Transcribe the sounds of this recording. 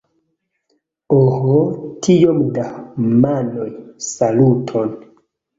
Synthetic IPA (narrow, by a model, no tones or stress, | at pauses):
ohotʰijomdamanojsalutʰon